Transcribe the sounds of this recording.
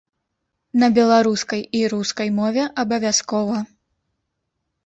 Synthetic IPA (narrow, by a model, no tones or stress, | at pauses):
nɐbʲɛlˠaɾuskɐjiɾuskɐjmɔvʲɛʔɐbɐvʲaskɔvɐ